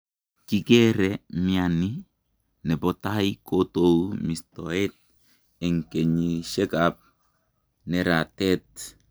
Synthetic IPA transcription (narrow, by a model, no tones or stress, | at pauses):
kiɡeɾemiani | nebotajkotowmistoet̚ | eŋkeɲiseɡap̚ | neɾatet̚